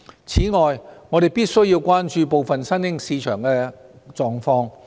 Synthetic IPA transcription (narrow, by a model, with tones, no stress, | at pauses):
t͡sʰiː˨˥ŋɔː˨jŋɔː˨˧ɾe˨jpiː˥t̚sɵ˥ɥji˧wkʷwaː˥nt͡ʃyː˧p̬o˨wfɐ˨nsɐ˥nɪ˥ŋsiː˨˧t͡ʃʰœ̰ː˨˩ŋkɛː˧ | t͡ʃɔː˨ŋfɔː˧˥ŋ